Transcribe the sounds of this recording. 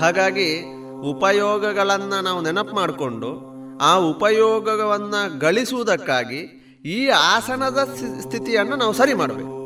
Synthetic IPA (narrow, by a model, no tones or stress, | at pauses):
ɦaːɡaːɡi | upɐjɔːɡɐɡɐɭɐnːɐnaːʋunɛnɐpmaːɽko̞ɳɖu | aːupɐjɔːɡɐɡɐʋɐnːɐɡɐɭisuʋud̪ɐkːaːɡi | iːaːsɐnɐd̪ɐst̪ʰit̪ijɐnːɐnaːʋusɐɾimaːɽbḛːku